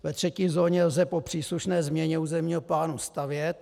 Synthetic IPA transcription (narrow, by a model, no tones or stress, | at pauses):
vɛt̪r̝̥ɛciːzo̞ːɲɛlzɛpo̞pr̥iːsluʃnɛːzmɲɛɲɛuːzɛmɲiːɦoplaːnust̪avjɛt̪